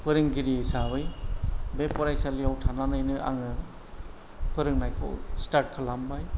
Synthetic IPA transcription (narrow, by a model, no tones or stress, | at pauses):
pɯɾɯŋɡiɾiesabɯjbepɔɾajsaliawtʰananɯjnɯa̰ŋɯ | pɯɾɯŋnajkʰɔ̰wstaɾʈ̚kʰɯlambaj